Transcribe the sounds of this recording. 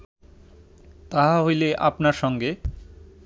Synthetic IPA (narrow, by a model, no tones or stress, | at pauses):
t̪aɦaɦojleʔapnaɾʃɔŋɡe